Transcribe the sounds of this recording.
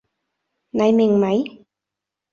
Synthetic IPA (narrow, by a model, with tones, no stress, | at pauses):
na˨˩˦jmi˨ŋma˨˩˦j